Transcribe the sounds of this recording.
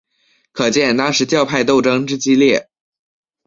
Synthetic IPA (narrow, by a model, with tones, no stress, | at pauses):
kʰɤ˨˩t͡ɕjɛ˥˩nt̪ɑ˥ŋʂɻ̩˧˥t͡ɕjɑ˥˧ʊpʰa˥˧ɪt̪̬o˥˩ʊʈ͡ʂɤ˥ŋʈ͡ʂɻ̩˥t͡ɕi˥ljɛ˥˩